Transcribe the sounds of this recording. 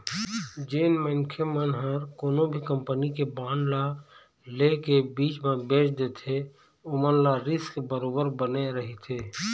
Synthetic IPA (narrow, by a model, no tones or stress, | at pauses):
d͡ʒeːnmənkʰemənɦəɾkoːnõbʱikəmpənikebãːnla | lekebiːt͡ʃmẽbeːt͡ʃd̪et̪ʰe | ʊmənlaɾɪskbəɾoːbəɾbəneɾəɦit̪ʰeː